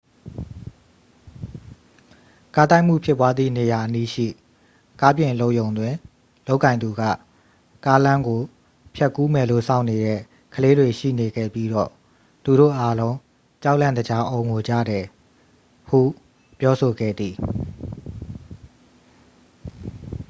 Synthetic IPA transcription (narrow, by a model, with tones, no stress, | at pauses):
ka˦t̪a˦ɪʔm̥ṵ˦˨pʰjɪ˦pːwa˦d̪ðḭ˦˨ne˨ja˨ʔəni˦ʃḭ˦˨ | ka˦pjɪ̃˨lo˦ʊʔjõ˨ʊ̃nd̪wɪ̃˨ | lo˦ʊʔkːã˨ɪ̃nd̪u˨ɡä̰˦˨ | ka˦lã˦ŋɡo˨ | pʰjɛ˦˨kːu˦mɛ˨lo̰˦˨sʰã̰˦˨ʊne˨ɾɛ̰˦˨ | kʰəle˦dwe˨ʃḭ˦˨ne˨ɡɛ̰˦˨pji˦dɔ̰˦˨ | t̪u˨ɾo̰˦˨ʔa˦lõ˦ʊ̃ | t͡ɕa˦ʊʔlã˦˨nd̪ə˨d͡ʑa˦ʔõ˨ʊ̃ŋo˨d͡ʑä̰˦˨ɾɛ˨ | hṵ˦˨ | pjɔ˦so˨ɡɛ̰˦˨d̪ði˨